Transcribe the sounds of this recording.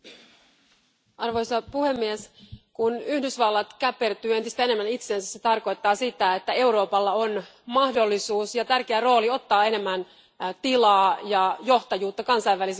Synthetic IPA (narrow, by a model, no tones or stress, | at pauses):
ʔɑrʋo̞jsɑpuhe̞mːieskunyhdysʋɑlːɑt̪kæpːe̞rt̪yːe̞nt̪ist̪æe̞ne̞mːænit̪se̞ːnsæsse̞t̪ɑrko̞jt̪ːɑːsit̪æe̞t̪ːæe̞uwɾo̞ːpɑlːɑo̞nmɑhdo̞lːisuːsjɑt̪ærkeæro̞ːlio̞t̪ːɑːe̞ne̞mːæn | t̪ilɑːjɑjo̞ht̪ɑjuːt̪ːɑkɑnsɑjʋːælis